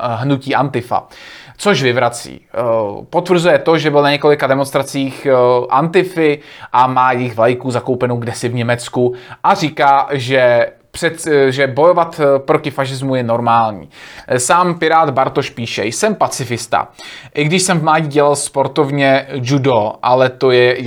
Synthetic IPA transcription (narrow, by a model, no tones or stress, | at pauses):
ɦnuciːʔant̪ɪfa̰t͡so̞ʒvɪvɾat͡sḭːpo̞t̪vr̩ɾ̩zujɛt̪o̞ʒɛbɪlnaɲɛko̞lɪkadɛmonst̪ɾat͡siːxʔant̪ɪfɪʔamaːjɪxvajkuzako̞wpɛnowɡdɛsɪvɲɛmɛt͡skuʔariːkaːʒɛ | pr̥ɛʒɛbo̞jo̞vat̪pɾocɪfaʃ̬ɪzmujɛno̞ɾmaːlɲḭːsaːmpɪɾaːd̪baɾt̪oʃpiːʃɛ̰jsɛmpat͡sɪfɪst̪a̰ʔɪɡdɪʃsɛmvmlaːɟiːɟɛlalspo̞ɾt̪o̞vɲɛd͡ʒudo̞ʔalɛt̪o̞jɛ